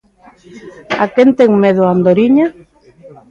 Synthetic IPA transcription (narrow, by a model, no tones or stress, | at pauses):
akent̪ɛŋmeðʊand̪oɾiɲa